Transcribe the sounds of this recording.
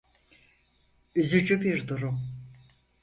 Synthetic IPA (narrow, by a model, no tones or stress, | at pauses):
yzyd͡ʒybiɾd̪uɾum